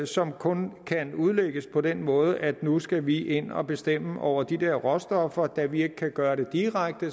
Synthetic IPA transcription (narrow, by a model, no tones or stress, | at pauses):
sɒ̽mkʰɔ̽nkʰænuð̞ˠleɡ̥əspʰɒ̽d̥enmɔ̽ːð̞ˠəʔæd̥nusɡ̥æʋiʔe̝n̰ɒ̽b̥e̝sd̥em̰əʔɒʊ̰ɐd̥id̥eɐ̰ʁɒ̽sd̥ɒ̽fɐd̥æʋie̝ɡ̥əkʰːæɡ̥ɶːɐɾ̥e̝d̥iʁaɡ̥̚d̥ə